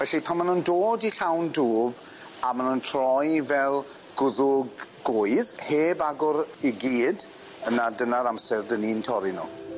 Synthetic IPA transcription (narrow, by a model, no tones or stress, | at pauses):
vɛɬipʰanmanundoːdiɬawnduːv | amanuntʰrɔjvɛlˠ | ɡ̥ʊðʊɡː | ʊɨðheːbaɡʊɾiɡiːd | ənadənaɾamsɛrdənintʰɔɾinṵ